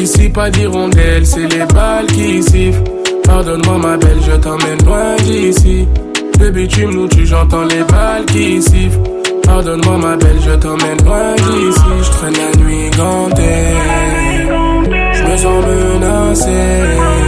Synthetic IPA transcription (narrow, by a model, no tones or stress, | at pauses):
isipad̪iʁɔ̃d̪ɛlsɛlebalkiːsif | paʁd̪ɔnmwamabɛlʒət̪ɑ̃mɛnlwɛ̃d̪isi | febit̪ymnut̪yʒɑ̃t̪ɑ̃lebalkiːsiv | paʁd̪ɔnmwamabɛlʒət̪ɑ̃mɛnlwɛ̃d̪isiʒət̪χɛ̃lanɥi | ɡɑ̃d̪ɛ | l | ʒəməzɑ̃mə | na | se